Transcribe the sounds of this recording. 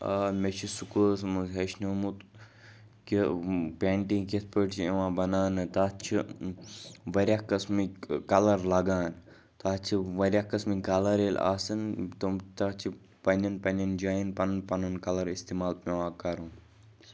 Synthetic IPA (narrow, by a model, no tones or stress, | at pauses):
ɐmet͡ʃʰisukusmuzɦeʃnuːmut̪ | kipeːɳʈĩket̪̚ʰpəʈt͡ʃʰieʋãːbɐnaːnɨt̪aːt͡ʃʰi | ʋɐɾʲakɐsmikɐlɐɾlɐɡaːn | t̪aːt͡ʃʰiʋɐɾʲjakɐsmikɐlɐɾela̰ːsɨnt̪ɐmt̪at͡ʃʰi | pɐnʲɐnpɐnʲɐnd͡ʒaːjinpɐnpɐnunkɐlɐɾist̪iːmaːlmeʋãːkɐɾũ